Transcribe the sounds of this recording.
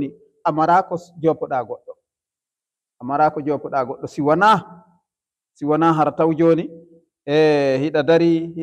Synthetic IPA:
ni | ʔamaɾaːkɔd͡ʒɔpɔɗaɡɔɗːɔ | ʔamaɾaːkɔd͡ʒɔːpːɔɗaɡɔɗːɔsiwana | siwɔnaɦaɾatawd͡ʒoːni | ʔɛhiɗadaɾih

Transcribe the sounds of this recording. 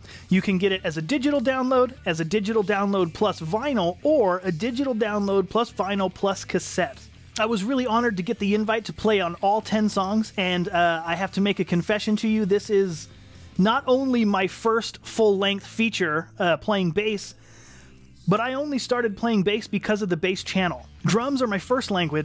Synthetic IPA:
jɨkʰɨ̃nɡɛɾɨɾɨzɨdɪd͡ʒɨɾl̩ˠdãʊ̃nloʊɾɨzɨdɪd͡ʒɨɾl̩ˠdãʊ̃nloʊd̚pʰl̥ʌsvãɪ̃nl̩ˠə˞ɨdɪd͡ʒɨɾl̩ˠdãʊ̃nloʊd̚pʰl̥ʌsv̥ãɪ̃nl̩ˠpʰl̥ʌskʰɨsɛt | aɪwʌzɹɪlˠiɑnə˞d̚tɨɡɛt̪̚ðiɨ̃ɱvaɪtʰəpʰl̥eɪə̃nɔlˠtʰɛ̃nsɔ̃ŋzɨ̃naɪhæftʰɨmeɪkɨkʰɨ̃ɱfɛʃɨ̃ntʰɨjɨðɪsɪz | nəɾʔõʊ̃nlimaɪfɜ˞stfʊlˠlɛ̃ŋk̚θfit͡ʃə˞pʰl̥eɪɪ̃ŋbeɪs | b̥ʌɾaɪõʊ̃nlistɑɹɾɨd̚pʰl̥eɪɪ̃ŋbeɪsb̥ɨkʰʌzʌvðɨbeɪst͡ʃʰænl̩ˠ | dɹʌ̃mzə˞maɪfɜ˞stˡlæ̃ŋɡwɨ

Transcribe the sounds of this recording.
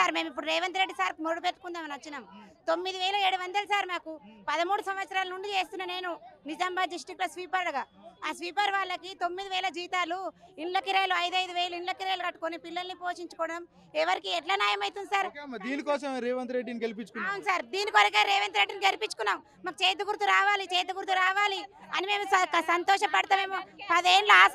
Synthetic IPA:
saːɾme̞ːmipːuɽuɾɛːʋɐnt̪ɾeɖːisaːɾmoɽupeːt̪u̥kund̪aːmɐnɐʋɐt͡ʃːinaːmt̪o̞mːid̪iʋɛːlɐeːɽuʋɐnd̪ɐlɐsaːɾmaːkupɐðɐmuːɽusɐmʋɐt̪sɐɾaːlɐnuɳɖit͡ʃe̞ːst̪unːane̞ːnunid͡ʒɐmbaːd̪isʈiklosʋiːpɐɾɐlɐɡaːaːsʋiːpɐɾʋaːɭːɐkit̪o̞mːid̪iʋɛːlɐd͡ʒiːt̪aːluiɳlɐkiɾeːluɐjd̪ɐjd̪uʋɛːluiɳlɐkiɾeːlukɐʈːukonipilːɐlɐnipoːʃiɲt͡ʃukɔːɽɐm | ɛʋɐɾikiɛʈlaːnjaːjɐmɐjt̪und̪saːɾɐd̪iːnikɔːsɐmɾeːʋɐnt̪ɾeɖiniɡelipit͡ʃːukunɐwunusaːɾd̪iːnikoɾɐkeɾeːʋɐnt̪ɾeɖːiniɡelipit͡ʃːu̥kunːaːm | maːkt͡ʃeːt̪̬uɡuɾt̪uɾaːʋaːlit͡ʃeːt̪̬uɡuɾt̪uɾaːʋaːliɐnime̞ːmukɐsɐnt̪ɔːʃɐpɐɽt̪aːmeːmupɐd̪eːnlaːs

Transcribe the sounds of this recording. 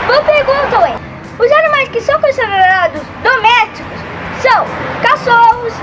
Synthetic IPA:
vopeɾɡũnt̪ɐ̃w̃ɛ | ʊzanimajskɪsɐ̃w̃kõsed̪eɾeɾad̪ʊzd̪omɛst͡ʃikʊsː | ɐ̃w̃kasowʊs

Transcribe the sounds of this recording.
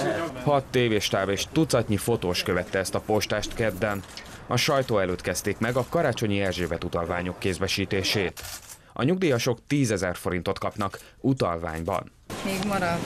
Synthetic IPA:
hɒt̪ːeːveːʃt̪aːbeːʃt̪ut̪sɒtɲifo̞t̪oːʃkøvɛt̪ːɛɛst̪ɒpo̞ʃt̪aːʃt̪kɛd̪ːɛn | ɒʃɒjt̪oːɛløːt̪kɛst̪eːkmɛɡɒkɒɾaːt͡ʃo̞ɲiɛrʒeːbɛt̪ut̪ɒlvaːɲo̞kːeːzbɛʃiːt̪eːʃeːt̪ | ʔɒ̰ɲuɡ̚d̪iːjɒʃo̞kt̪iːzɛzɛrfo̞ɾint̪o̞t̪kɒpnɒk | ut̪ɒlva̰ːɲbɒ̰n | meːɡmɒɾɒd̪

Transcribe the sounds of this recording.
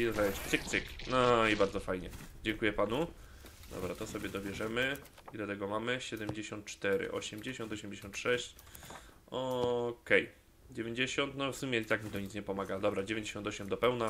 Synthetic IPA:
izajt͡ɕt̪sɨk̚t̪sɘknɔibaɾd̪zɔfajɲɛd͡ʑɛŋkujɛpanu | d̪ɔ̰bɾat̪ɔsɔbʲjɛd̪ɔbʲjɛʐɛmɘ | id̪at̪ɛɡɔmamɘɕɛd̪ɛmd͡ʑeɕɔ̃nt̪̚t͡ʂt̪ɛɾɘ̰ʔɔ̰ɕɛmd͡ʑeɕɔnt̪ɔɕɛmʲd͡ʑeɕɔ̃nt̪ʂɛɕt͡ɕ | ɔkɛj | d͡ʑevʲjeɲd͡ʑeɕɔnt̪nɔfsumʲjɛit̪akmʲit̪ɔɲit̪sɲɛpɔmaɡad̪ɔbɾad͡ʑevʲẽɲd͡ʑeɕɔnt̪ɔɕɛmd̪ɔpɛwna

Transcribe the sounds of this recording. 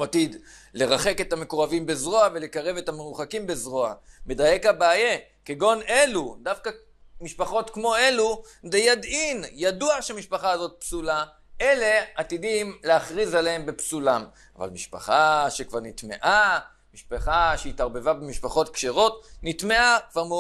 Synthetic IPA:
at̪id̪ | le̞ʁaχe̞ke̞tamekoʁavimbezʁo̞ave̞lekaʁe̞ve̞tamenuχakimbezʁo̞ame̞daje̞khabaːje̞keɡo̞nelud̪afka | miʃpaχo̞tkmo̞e̞lud̪ejad̪injaduaʃeamiʃpaχaːzo̞t̪̚psula | e̞le̞at̪idimleaχʁizaleembe̞psulam | ava̰lmiʃpa̰χaʃekvaʁnit̪me̞̰ʔa | miʃpaχaʃeitaʁbe̞vabemiʃpaχo̞tkʃeʁo̞tnit̪me̞akvaʁm

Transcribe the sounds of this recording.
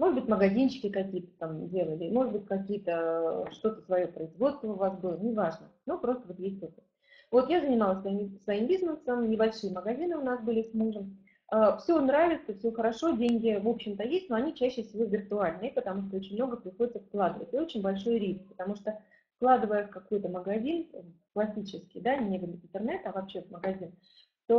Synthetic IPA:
mo̞ʐɨd̪bɨtʲməɡɐzʲint͡ɕːɪ̥kʲɪkɐkʲijət̪ə̥t̪amdʲe̞lˠəlʲɪmo̞ʐɨd̪̚bɨtʲkɐkʲijət̪əʂt̪o̞t̪əsvɐjopɾəɪzvo̞t̪st̪vəʊvasbɨlˠənʲɪvaʐnənopɾo̞st̪əvo̞t̪jesʲtʲkoko | vo̞t̪jazənʲɪmalˠəsvɐimsvɐimbʲiznəsəmnʲɪbɐlʲʂɨjəməɡɐzʲinɨʊnasbɨlʲɪsʲmuʐəm | əfsʲonɾavʲɪt̪səfsʲoxəɾɐʂo̞dʲenʲɡʲɪvo̞pɕːɪmt̪əjesʲtʲnoɐnʲit͡ɕæɕːɪfsʲɪvʲo̞vʲɪrt̪ʊalʲnɨəpət̪ɐmuʂt̪oot͡ɕɪnʲmno̞ɡəpɾʲɪxodɪt̪səfklˠad̪ɨvə̰tʲɪo̞t͡ɕɪnʲbɐlʲʂo̞jɾʲisk̚pə̥t̪ɐmuʂt̪o | fklˠad̪ɨvəjəfkɐko̞jt̪əməɡɐzʲin | klˠɐsʲit͡ɕɪskʲɪ̰jd̪anʲebɨlʲɪnt̪ɨrnɛt̪ɐvɐpɕːevməɡɐzʲin | t̪o

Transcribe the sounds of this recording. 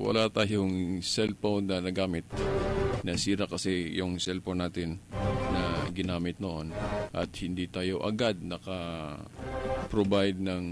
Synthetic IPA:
wɐ̰lat̪aːjoŋsɛlpow̪nɐnɐɡaːmɪt̪̚nɐsiːɾakɐsɛjʊŋsɛlponaːt̪ɪnːɐɡɪnaːmɪt̪̚noʔo̞nʔɐ̰t̪̚hɪnd̪iːt̪aːjo̞ʔɐ̰ɡad̪̚nɐkɐ | pɾobajd̪̚nɐŋ

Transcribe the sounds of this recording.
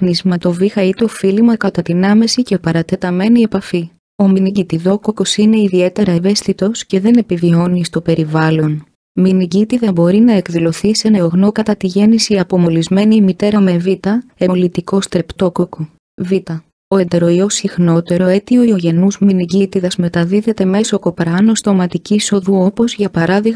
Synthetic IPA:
nizmɐt̪o̞vixɐit̪eofilimɐkɐt̪ɐt̪inɐme̞sice̞pɐɾɐt̪e̞t̪ɐme̞nie̞pɐfi | o̞miniɟit̪iðo̞ko̞ko̞sine̞iðie̞t̪e̞ɾɐeve̞st̪it̪o̞sce̞ðe̞ne̞pivio̞nist̪o̞pe̞ɾivɐlo̞n | miniɟit̪iðɐbo̞ɾinɐe̞kðilo̞θise̞nɐoɣno̞kɐt̪ɐt̪iʝe̞nisiɐpo̞mo̞lizme̞nimit̪e̞ɾɐme̞vit̪ɐelit̪iko̞st̪ɾe̞pt̪o̞ko̞ko | vit̪ɐ | o̞e̞nd̪e̞ɾo̞io̞sixno̞t̪e̞ɾo̞e̞t̪io̞io̞ʝe̞nuzminiɟit̪iðɐzme̞t̪ɐðiðe̞t̪e̞me̞so̞kopɾɐnost̪o̞mɐt̪iciso̞ðuo̞po̞zʝɐpɐɾɐðiɣ

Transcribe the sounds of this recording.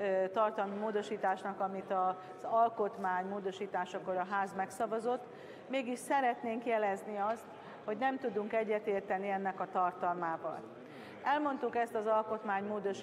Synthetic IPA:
t̪ɒrt̪ɒlmimoːd̪o̞ʃiːt̪aːʃnɒkɒmit̪ɒ | zɒlko̞t̪maːɲmoːd̪o̞ʃiːt̪aːʃɒkoɾɒɦaːzmɛksɒvɒzo̞t̪ː | meːɡiʃsɛɾɛt̪neːŋkjɛlɛzniɒst̪ | ho̞ɟnɛmt̪ud̪uŋkɛɟːɛt̪eːrt̪ɛniɛnːɛkɒt̪ɒrt̪ɒlmaːvɒ̰l | ɛlmo̞nt̪ukɛst̪ɒzɒlko̞t̪maːɲmoːd̪o̞ʃ

